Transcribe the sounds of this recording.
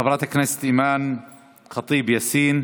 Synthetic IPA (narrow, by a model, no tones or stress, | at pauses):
xabɾɑt̪akːnajsḁt̪ʔiːmaːn | xɑt̪ˤiːbjasiːn